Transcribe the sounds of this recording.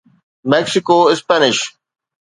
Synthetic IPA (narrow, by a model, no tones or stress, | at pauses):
mɛksɪkoːɪspænɪʃ